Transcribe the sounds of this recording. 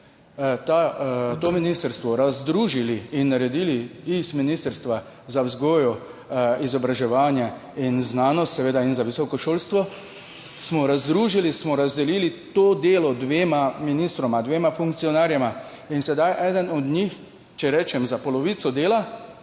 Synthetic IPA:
t̪at̪oːminist̪əɾst̪ʋɔɾazd̪ɾuːʒiliinːaɾɛd̪iːliisminist̪əɾst̪ʋa | zawzɡoːjɔ | izɔbɾaʒɛʋaːnjɛ | inznaːnɔst̪sɛʋeːd̪ainzaʋisɔkɔʃoːlst̪ʋɔ | smɔɾazd̪ɾuːʒilismɔɾazd̪ɛliːlit̪oːd̪eːlɔd̪ʋeːmaminist̪ɾɔmad̪ʋeːmafuŋk̚tsijɔnaɾjɛma | insɛd̪ajʔɛːd̪ənɔd̪ɲix | t͡ʃɛɾɛːt͡ʃɛmzapɔlɔʋit̪sɔd̪eːla

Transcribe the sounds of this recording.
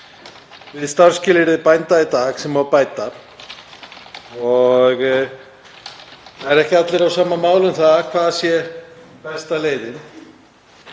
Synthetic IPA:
vɪðst̪aɾ̥scɪːlɪɾɪðpajnt̪ait̪aːɣsɛmavpaːjt̪a | ɔɣ | θaðɛɾɛhcɪat̪lɪɾawsaːmamaːwlʏnθaðkʰvaːðsjɛ | pɛst̪aleːjðɪn

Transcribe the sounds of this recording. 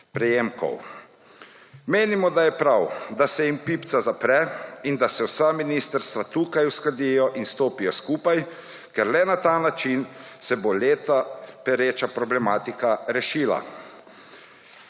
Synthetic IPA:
pɾɛjeːmkɔ̰w | meːnimɔd̪ajɛpɾawd̪asɛjimpipt̪sazapɾɛind̪asɛwsaminist̪əɾst̪ʋat̪uːkajuskad̪ijɔʔinst̪oːpijɔskuːpaj | kɛɾlɛnat̪anat͡ʃinsɛboleːt̪apɛɾeːt͡ʃapɾɔblɛmaːt̪ikaɾɛʃiːla̰

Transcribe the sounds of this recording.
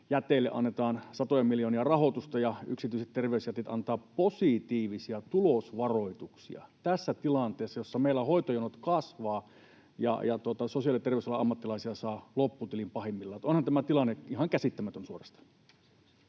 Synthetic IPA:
jæt̪eilːḛʔɑ̰nːet̪ɑːnsɑt̪ojɑmiljoːniɑrɑhot̪ust̪ɑjɑyksit̪yiset̪t̪erʋeysjæt̪et̪ɑ̰nt̪ɑːpposit̪iːʋisiɑt̪ulosʋɑroit̪uksḭɑ̰t̪æsːæt̪ilɑnt̪eːsːɑjosːɑmeilːˑæhoit̪ojonot̪kɑsʋɑː | jɑ̰jɑt̪uot̪ɑsosiɑˑlit̪erʋeˑyslːɑɑmːɑt̪ːilɑˑisiɑsɑːlopːut̪ilimpɑhemːilːɑjot̪onhɑnt̪æmæt̪ilɑnːeihɑŋkæsit̪ːæmæt̪ønsuorɑst̪ɑ̥

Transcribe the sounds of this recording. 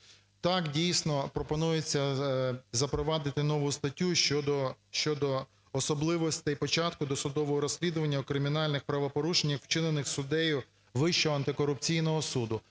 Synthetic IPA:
t̪ɑkdʲijsnɔpɾɔpɔnujet͡sʲːɐ | zɐpɾɔʋɑd̪ɪt̪ɪnɔʋʊst̪ɐtʲːuʃɔd̪ɔʃt͡ʃɔd̪ɔː | sɔblˠɪʋɔsʲt̪ɪjpɔt͡ʃɑt̪̚kʊd̪ɔsʊd̪ɔʋɔɦɔɾɔsʲlʲid̪ʊʋɐnʲːɐukɾɪmʲinɑlʲnɪxpɾɐʋɔpɔɾuʃenʲːɐxwt͡ʃɪnenɪxsʊd̪ɛjʊ | ʋɪʃt͡ʃɔɦɔɐnt̪ɪkɔɾʊp̚t͡sʲijnɔɦɔsud̪ʊ

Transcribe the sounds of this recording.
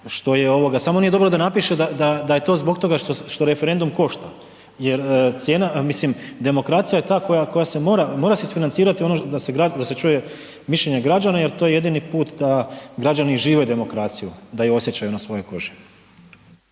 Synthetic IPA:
ʃt̪o̞je̞o̞ʋo̞ɡasamo̞nijeo̞bɾo̞d̪anapiʃe̞d̪ad̪ad̪ajet̪o̞ːzbo̞kt̪o̞ɡaʃt̪oʃt̪o̞ɾe̞feɾe̞nd̪umko̞ʃt̪a | je̞ɾt̪sje̞ːnamislimd̪e̞mo̞kɾaːt̪sijaje̞t̪aːko̞jako̞jase̞mo̞ːɾamo̞ɾasesfinant̪siːɾat̪io̞nod̪ase̞ɡɾad̪aset͡ʃuːje̞ | miʃʎʲe̞ɲe̞ɡɾad͡ʑanaje̞ɾt̪oje̞je̞d̪inipuːt̪d̪aɡɾad͡ʑaniʒiːʋed̪e̞mo̞kɾaːt̪sijud̪ajuo̞sje̞t͡ɕajunasʋo̞jo̞ko̞ʒi̥

